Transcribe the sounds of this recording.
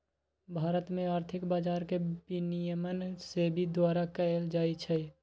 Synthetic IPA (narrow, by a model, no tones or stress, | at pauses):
bʱaːɾət̪mẽaːɾt̪ʰɪkbaːd͡ʒaːɾkebinijəmənsebʱid̪waːɾakəeld͡ʒaːit͡ʃʰɛ